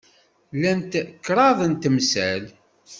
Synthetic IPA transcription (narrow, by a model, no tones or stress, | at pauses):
lænt̪kːɾˤɑðˤənt̪əmsæl